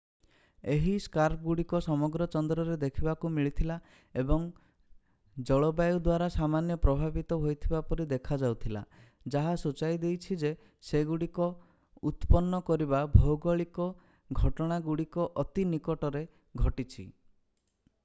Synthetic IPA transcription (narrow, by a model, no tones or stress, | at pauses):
eɦiskaɾp̚ɡuɽikɔsɔmɔɡɾɔt͡ʃɔnd̪ɾɔɾed̪ekʰibakumiɭit̪ʰila | ebɔŋ | d͡ʒɔɭɔbajud̪waɾasamanjɔpɾɔbʱabit̪ɔɦojt̪ʰibapɔɾid̪ekʰad͡ʒawt̪ʰila̰ | d͡ʒaɦasut͡ʃajd̪ejt͡ʃʰid͡ʒe | seɡuɽikɔ | ut̪pɔnːɔkɔɾibabʱɔwɡɔɭikɔ | ɡʱɔʈɔɽ̃aɡuɽikɔʔɔt̪inikɔʈɔɾe | ɡʱɔʈit͡ʃʰḭ